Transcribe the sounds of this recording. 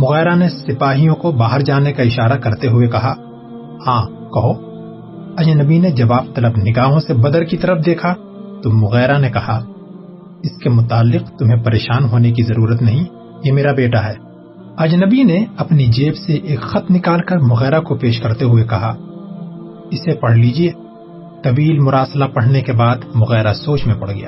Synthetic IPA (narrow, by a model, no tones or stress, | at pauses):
mʊɣɛːɾanesɪpaːɦijõkobaːɦəɾd͡ʒaːnekaɪʃaːɾakɐɾt̪eɦʊekɐɦa | hãː | kɐɦo | ɐd͡ʒnəbined͡ʒɐbaːbt̪ɐləbnɪɡaːɦõsebɐd̪əɾkit̪ɐɾəfd̪eːkʰa | t̪omʊɣɛːɾanekɐha | ɪskemʊt̪aːlːɪqt̪ʊmɦẽpɐɾeːʃaːnɦoːnek̬izɐɾuːɾət̪nɐɦĩ | jemeːɾabeːʈaɦɛː | ɐd͡ʒnəbineɐpnid͡ʒeːbseʔeːkxɐt̪mnɪkaːlkɐɾmʊɣɛːɾakopeːʃkɐɾt̪eɦuekɐɦa | ɪsepɐɽ̤liːd͡ʒieː | t̪ɐʋiːlmʊɾaːslapɐɽ̤nekebaːd̪mʊɣɛːɾasoːt͡ʃmẽpɐɽɡɐ̰ja̰ː